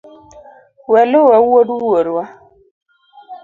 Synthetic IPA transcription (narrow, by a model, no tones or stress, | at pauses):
wɛlowɛwuwoduɾoɾua